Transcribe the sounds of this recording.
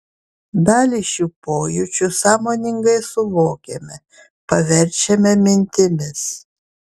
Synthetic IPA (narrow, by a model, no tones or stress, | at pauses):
d̪ɑːlʲɪʃʲuːpoːjʊt͡ʃʲʊsɑːmoːnʲɪŋɡɐɪsʊʋoːkʲɛmʲɛ | pɐʋʲɛɾʲt͡ʃʲɛmʲɛmʲɪnʲt̪ʲɪmʲɪs